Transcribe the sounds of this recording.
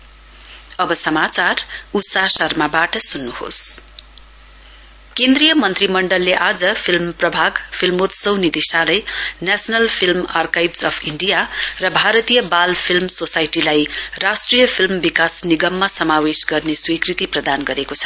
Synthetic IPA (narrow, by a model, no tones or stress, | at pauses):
ʌbʌsʌmat͡sarut̪sasʌrmabaʈʌsunːuho̰s | kẽnd̪rijʌmʌnt̪rimʌɳɖʌlːeʔad͡zʌpʰilmprʌbʱaɡpʰilmot̪sʌwnid̪isalʌjnasʌnʌlpʰilmarkajbsʌpʰiɳɖijarʌbʱaɾʌt̪ijʌbalpʰilmsosajʈilajrasʈrijʌpʰilmbikasniɡʌmːasʌmawesɡʌrneswikrit̪iprʌd̪anɡʌɾekot͡sʰʌ̥